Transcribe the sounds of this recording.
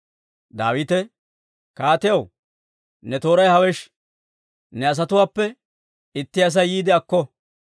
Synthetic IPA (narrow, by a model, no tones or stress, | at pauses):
d̪aːwiːt̪ɛ | kaːt̪ɛjɐw | nɛt̪o̞ːɾɐjhɐwɛʃ | nɛɐs̬ɐt̪ʊwaːpːɛ | ɪt̪ːɪɐs̬ɐjjiːd̪ɛɐkːɔ